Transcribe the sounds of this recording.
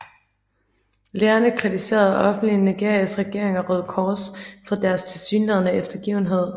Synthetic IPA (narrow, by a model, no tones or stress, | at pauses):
leːɐnəkʰʁit͡sʰise̝̰ːɐðˠɒ̽fn̩d̥liniɡ̥e̝ɐ̰ijəsʁɛɡ̥e̝ɐ̰eŋɐʁœð̞̰ˠkʰɒːsfɒ̽d̥æɐst͡sʰe̝lsyːnleðˠənəefd̥ɐɡ̥ḭːʊn̩ɦe̝ð̞̰ˠ